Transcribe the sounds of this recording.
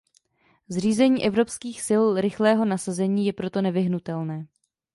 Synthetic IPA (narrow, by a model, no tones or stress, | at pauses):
zr̝iːzɛɲiːʔɛvɾo̞pskiːxsɪlɾɪxlɛːɦo̞nasazɛɲiːjɛpɾo̞t̪o̞nɛvɪɦnut̪ɛlnɛː